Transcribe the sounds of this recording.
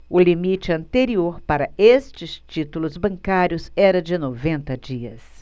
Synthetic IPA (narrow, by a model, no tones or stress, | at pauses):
ʊlimit͡ʃɪɐ̃nt̪eɾioɾpaɾɐest͡ʃɪst͡ʃit̪ulʊzbɐ̃ŋkaɾjʊzɛɾɐd͡ʒɪnovẽnt̪ɐd͡ʒiɐ̰s